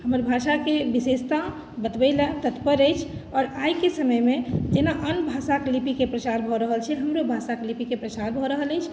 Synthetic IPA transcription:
həməɾbʱaʃakebisest̪a | bət̪bəɪlət̪ət̪pəɾəjt͡ʃʰɔːɾajkesəməjmẽd͡ʒenaʔənbʱasaklipikepɾət͡ʃaɾbʱɔɾəɦəlt͡ʃʰɛɦəmɾobʱasaklipikepɾət͡ʃaɾbʱɔɾəɦələjt͡ʃʰ

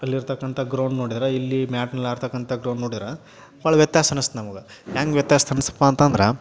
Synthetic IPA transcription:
ɐlːiɾt̪ɐkːɐnt̪ʰɐɡɾɐwɳɖnoːɽid̪iɾɐilːimjaːʈnɐlːaːɾt̪ɐkːɐnt̪ʰɐɡɾɐwɳnoːɽid̪iɾɐ | ʋɐːɭɐʋjɐt̪jaːst̪ʰɐnɐst̪nɐmɐɡɐjaːŋɡʋjɐt̪jaːst̪ʰɐnisɐ̥pːaːnt̪ɐnd̪ɾe

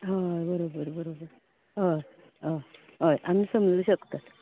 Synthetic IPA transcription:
ɦabəɾobəɾbəɾobəɾ | ɦə | ɦa | ɦəjʔamiːsəmd͡zuːɕəkt̪at̪

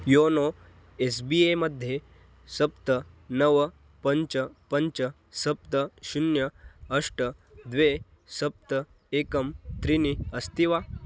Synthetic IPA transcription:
jono | es̬bieməd̪ʱːje | sɐp̚t̪ə | nəʋə | pəɲt͡ɕəpəɲt͡ɕə | sɐp̚t̪əɕunjəəʂʈəd̪ʋe | sɐp̚t̪ə | ekəmt̪ɾiniəst̪iʋa

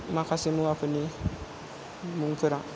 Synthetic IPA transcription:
makasimuafini | mũŋkiɾa

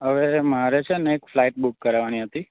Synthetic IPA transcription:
ɦəʋemaɾet͡ʃʰeəneːkflaiʈ̚bukːəɾʋaniɦət̪i

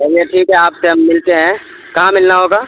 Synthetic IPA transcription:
eɾieʈʰiːkɦɛaːpseɦɐmːɪlt̪eɦɛ̃ː | kɐɦãmɪlnaɦoːɡaː

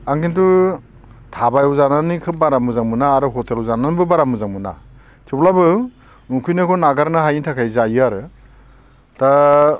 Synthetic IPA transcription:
aŋkintu | tʰabajɔwzananikʰɯp̚baɾamɯzaŋmɯnaːɾɯɦɔteluwzananbɯbaɾamuzaŋmɯna̰ | tʰiplabɯ | ukʰujnɯkʰɔnaɡaɾnɯɦajintʰakʰajzajɯaɾɯ | ta

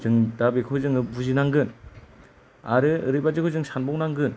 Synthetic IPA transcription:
d͡ʒɯŋdabekʰɯd͡ʒɯŋɯbuzinaŋɡɯn | a̰ɾɯɯɾɯbad͡ʒɯkʰɯd͡ʒɯŋsanbɔŋnaŋɡɯn

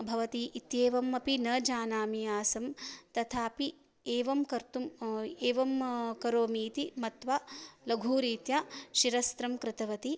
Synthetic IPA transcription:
bʱɐʋɐt̪iːʔit̪jeːʋɐmːɐpinɐːd͡ʒaːnaːmijaːsɐmt̪ɐt̪ʰaːpi | eːʋɐmkɐɾt̪umeːʋɐmkɐɾoːmiːt̪imɐt̪ʋalɐɡʱuːɾiːt̪jaʃiɾɐst̪ɾɐmkɾɪt̪ɐʋɐt̪i

